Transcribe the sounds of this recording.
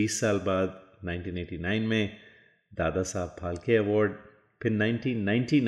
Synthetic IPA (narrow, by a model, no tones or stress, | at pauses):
iːsːaːlbaːd̪nãɪ̃nʈĩːneːʈinaɪnmẽ | d̪aːd̪asaːbpʰaːlkeɐʋɔːɾɖ | pʰɪɾnaːɪ̃nʈiːnːãɪ̃nʈin